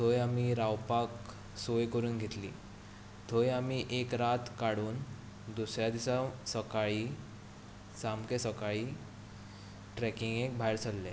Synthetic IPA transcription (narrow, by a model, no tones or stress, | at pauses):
t̪ʰojamiɾawpak | sojkəɾuːnɡʱet̪lḭː | t̪ʰojamiʔekɾat̪kaɽuːn | d̪usɾjad̪isasəkaɭiː | samkẽsəkaɭiː | ʈɾɛkiŋɡek̚bʱajɾt͡sʰəlːẽ